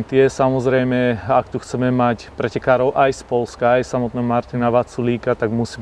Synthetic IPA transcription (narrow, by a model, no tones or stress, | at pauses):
t̪ɪɛsamɔzɾɛjmɛakt̪uxt͡sɛmɛmacpɾɛcɛkaːɾɔʊʔajspɔlskaːjsamɔt̪̚nɛːɦɔmaɾt̪inaʋat͡suliːkat̪aɡmusiː